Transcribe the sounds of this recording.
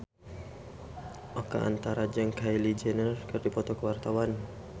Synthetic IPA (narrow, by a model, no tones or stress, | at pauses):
ʔɔka̰ʔa̰nt̪aɾad͡ʒəŋkajlid͡ʒɛnərkɨrdipɔt̪ɔkəwart̪awan